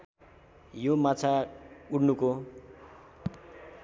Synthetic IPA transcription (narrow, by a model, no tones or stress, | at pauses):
jomat͡sʰauɽnuko